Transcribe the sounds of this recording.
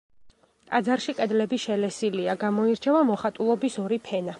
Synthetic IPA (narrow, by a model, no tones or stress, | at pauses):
kʼad̪zaɾʃiqʼɛd̪lɛbiʃɛlɛsiliaɡamɔiɾt͡ʃʰɛvamɔχat̪ʼulˠɔbisɔɾipʰɛna